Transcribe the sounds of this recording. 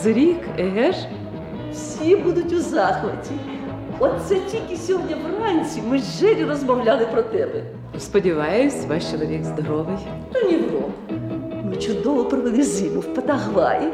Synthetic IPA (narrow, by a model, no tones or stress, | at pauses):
zɾʲikɛɦɛʂ | fsʲibud̪ʊtʲʊzaxʋɐtʲi | ɔt̪sɛtʲilʲkʲɪsʲiɦɔdʲnʲɐʋranʲt͡sʲsʲimɪʒːɛlʲɪrɐzmɐwlʲalˠɪpɾɔt̪ɛbɛ | spɔdʲɪʋajʊsʲʋaʂt͡ʃɛlˠɐʋʲɛkzd̪ɐɾɔʋɪj | t̪ɔnʲɪvɔ | mɪt͡ʃʊd̪ɔʋɔpɾɪʋɪlˠɪzʲilʊwpɐt̪ɐɦʋa̰jɪ